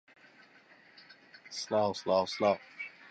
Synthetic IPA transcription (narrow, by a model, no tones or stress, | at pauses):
slaʊslaʊslaʊ